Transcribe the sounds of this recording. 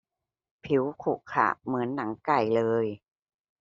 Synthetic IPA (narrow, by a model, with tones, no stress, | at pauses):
pʰi˩˦wkʰu˨˩kʰa̰ː˨˩mɯ˩˦ənːa˩˦ŋka˨˩jlɤː˧j